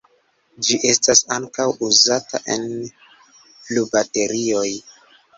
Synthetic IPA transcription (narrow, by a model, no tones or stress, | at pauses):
d͡ʒiʔe̞stasaŋkawuzata̰ʔe̞̰n | lubate̞ɾio̞j